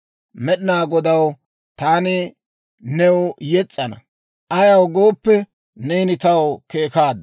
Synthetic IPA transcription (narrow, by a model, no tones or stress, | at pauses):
mɛɗɪnaːɡɔd̪ɐw | t̪aːnɪ | nɛwʊjɛt͡sʼːɐnɐ̰ | ʔɐjɐwɡo̞ːpːɛ | nɛjnɪt̪ɐwkeːkaːd̪ːɐ